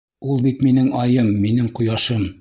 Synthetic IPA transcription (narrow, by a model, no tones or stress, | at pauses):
ulˠbit̪minɘŋɑjɤmːinɘŋqŏjɑʃɤm